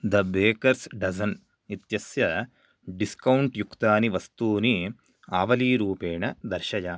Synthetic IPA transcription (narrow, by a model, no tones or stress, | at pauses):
d̪ɐbeːkɐɾsɖɐzɐn | it̪jɐsjɐ | ɖiskɐwɳʈjukt̪aːniʋɐst̪uːni | aːʋɐliːɾuːpeːɳɐd̪ɐɾʃɐjɐ